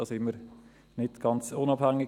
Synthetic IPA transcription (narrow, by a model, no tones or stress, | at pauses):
ɑsɪmːəɾ | nɪtɡ̥ɑnt͡sʊnɑb̥hæŋːɪ